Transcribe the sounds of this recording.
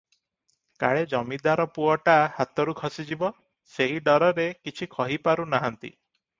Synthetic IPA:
ka̰ɭed͡ʒɔmid̪aɾɔpuɔʈahat̪ɔɾukʰɔsid͡ʒibɔ | seɦiɖɔɾɔɾekit͡ʃʰikʰɔɦipaɾunaɦant̪ḭ

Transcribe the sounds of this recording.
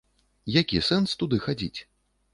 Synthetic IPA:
jakʲisɛnst̪ud̪ɨxad͡zʲḭt͡sʲ

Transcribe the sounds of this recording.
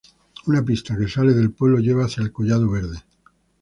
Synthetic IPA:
unapist̪ake̞sale̞ðe̞lpwe̞βlo̞ʝe̞βaːθjaelkoʝað̞oβ̞e̞ɾðe̞

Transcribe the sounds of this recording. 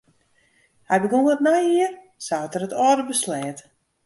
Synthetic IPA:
hɛjbəkuŋətnajiər | sawətəɾətɔːdəbəslɛːt

